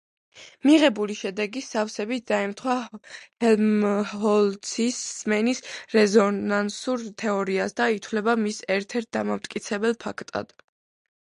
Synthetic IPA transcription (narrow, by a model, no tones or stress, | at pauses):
miʁɛbuliʃɛd̪ɛɡisafsɛbit̪̚ʰd̪̥aɛmt̪ʰχwahɛhɔlˠsʰisːmɛnisɾɛzɔnansuɾt̪ʰɛɔɾiasd̪ait̪ʰwlɛbamisɛɾt̪ʰɛɾt̪̚d̪amamt̪ʼkʼit̪sʰɛbɛlˠpʰakʰt̪ʼa̰d̪̥